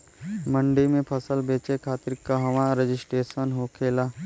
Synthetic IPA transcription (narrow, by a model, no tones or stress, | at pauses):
mə̃ɳɖimẽpʰəsəlbeːt͡ʃekʰaːt̪ɪɾkːaɦɐʋãɾed͡ʒɪsʈeːsənɦoːkʰeːlaː